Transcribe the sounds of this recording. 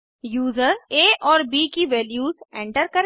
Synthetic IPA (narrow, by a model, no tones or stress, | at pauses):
juːzəɾeːʔɔːɾbiːkiʋɛːljuːzẽːɳʈəɾkɐɾ